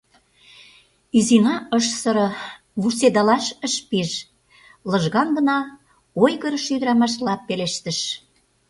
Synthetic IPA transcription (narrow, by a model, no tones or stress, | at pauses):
yzinɑəʃsə̆ɾɤ̆ | βursed̪ɑlɑʃəʃpiʒ | lə̆ʒɣɑnɡə̆nɑ | ojɣəɾə̆ʃyd̪əɾɑmɑʃ̬lɑpːeleʃt̪ə̆ʃ